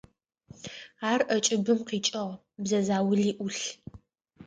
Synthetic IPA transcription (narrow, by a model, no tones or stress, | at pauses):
aːrʔɐt͡ʃʼɪbɨmqiːt͡ʃʼɐʁ | bzɐzaːwʊɮiːʔʊɬ